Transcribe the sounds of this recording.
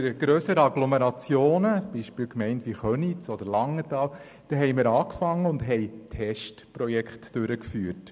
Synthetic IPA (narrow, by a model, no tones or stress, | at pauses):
əɾɡ̥ɾøːsəɾəɑɡlɔmeɾɑt͡sjoːnəb̥iʃpiːlkmɛɪntʋiχœnitsɔd̪əɾlɑŋːətɑːw | d̥ɛɦɛɪmɪɾɑːkfɑŋːəʊndɦɛɪtʰɛʃtpɾɔjɛkχtd̥øɾəkfyːəɾt